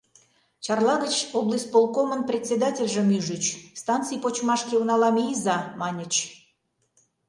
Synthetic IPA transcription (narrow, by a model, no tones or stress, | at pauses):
t͡ɕɑrlˠɑɣət͡ɕoblˠəsʲt̪̚ʲpolˠkomənprʲet̪ʲsʲed̪ɑtʲelʲʒə̆myʒyt͡ɕst̪ɑnt̪t͡sɨjpot͡ɕmɑʃkʲeunɑlɑmizɑmɑnʲə̆t͡ɕ